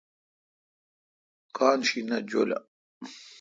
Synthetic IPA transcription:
kʰaːnɕinɐd͡ʑolɐ̰

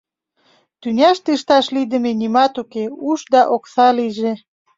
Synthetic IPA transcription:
t̪ynʲɑʃt̪ĕəʃt̪ɑʃlid̪ə̆menimɑt̪ukeuʃd̪ɑʔoksɑliʒe

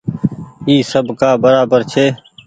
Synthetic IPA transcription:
iːsəbkaːbəɾaːbəɾt͡ʃʰeː

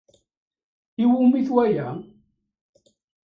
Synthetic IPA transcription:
iwumiθwæjæ

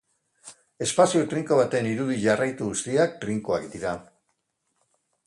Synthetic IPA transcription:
e̞spasiot̪ɾiŋko̞β̞at̪e̞niɾuðiʎarajt̪uɣust̪iak̚t̪ɾiŋkoakd̪iɾa

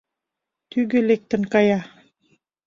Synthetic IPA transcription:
t̪yɡɘ̆lek̚t̪ə̆nkɑjɑ

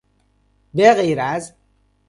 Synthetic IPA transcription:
beɣejɾæz

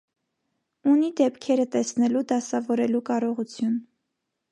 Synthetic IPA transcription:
unid̪ɛpkʰɛɾət̪ɛsnɛlud̪ɑsɑvɔɾɛlukɑɾɔʁut͡sʰjun

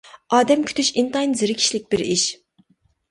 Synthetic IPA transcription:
ɑːd̪ɛmkʲʰy̥t̪ʰyʃint̪ɑjnzɨɾɪkʲʰi̥ʃlɪk̚ʲbɪɾiʃ

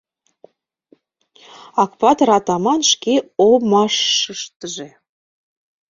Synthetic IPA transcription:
ɑkpɑt̪ɾɑt̪ɑmɑnʃkeomɑʃːəʃt̪əʒe

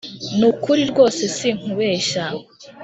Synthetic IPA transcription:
nukuɾiɾɡo̞ːsesiŋ̥uβeʃa

